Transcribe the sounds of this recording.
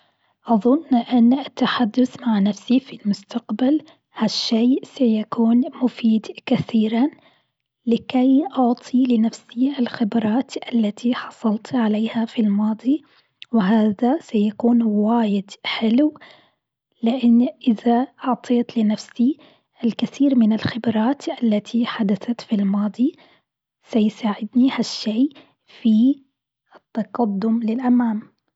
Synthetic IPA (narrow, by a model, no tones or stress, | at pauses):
ʔɑðˤʊnːʔɪnːat̪ːaħad̪ːʊθmaʕnafsifilmʊst̪aqbal | haʃːeːsajakuːnmʊfiːd̪kaθiːɾa | lɪkajʔʊʕt̪ˤʰilɪnafsiʔɪlxɪbɾˤɑːt̪ʔalːat̪ʰiħɑ̥sˤɑlt̪ʕaleːhafilmɑːd̪ˤi | wɪɦaːðasajakuːnwaːjɪd̪̥ħɪlw | lɪʔɪnːʔɪðaʔʊʕt̪ˤʰeːt̪lɪnafsi | ʔɪlkɪθiːɾmɪnɪlxɪbɾˤɑːt̪ʔalːat̪ʰiħad̪aθat̪filmɑːd̪ˤi | sajsaːʕɪd̪nihaʃːeː | fi | ʔɪt̪ːɑqɑd̪ːʊmlɪlʔamaːm